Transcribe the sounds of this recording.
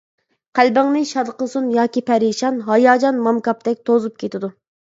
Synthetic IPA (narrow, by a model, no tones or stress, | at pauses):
qʰælbɪŋnɪʃɑd̪qəsunjɑːkʲipʰɛɾiʃɑnɦɑjɑːd͡ʒɑnmɑmkɑp̚t̪ɛk̚ʲt̪ʰozup̚kʲʰet̪ɪd̪u